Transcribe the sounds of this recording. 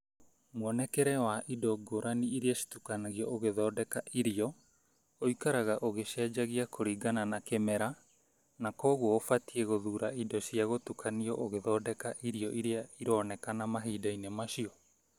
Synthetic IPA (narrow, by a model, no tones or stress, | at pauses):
mwɔnɛkɛɾɛwaʔidɔɡoɾaniiɾiasi̥tukanaɣiɔʔoɣeðɔːdɛkaʔiɾiɔ | oikaɾaɣaʔoɣeʃɛd͡ʒaɣiakʰoɾiːɡananakɛmɛɾa | nakɔːɣwɔofatiɛɣoðuɾaidɔsiaɣotukʰaniɔʔoɣeðɔːdɛkaʔiɾiɔʔiɾiaiɾɔːnɛkanamaɦiːdainemaʃiɔ